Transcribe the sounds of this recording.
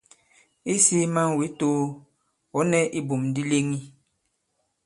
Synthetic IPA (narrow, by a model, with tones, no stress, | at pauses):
i˦si˦ma˦ŋ˨we˨˦to˦ | wɔ˨˦nɛ˦ʔi˦bo˨mdi˦le˦ŋi˦